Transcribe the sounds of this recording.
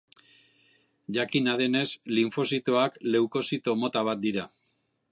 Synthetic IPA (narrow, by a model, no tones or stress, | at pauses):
ʝakinað̞e̞ne̞sliɱfo̞sit̪o̞akle̞wko̞sit̪o̞mo̞t̪aβ̞at̪̚d̪iɾa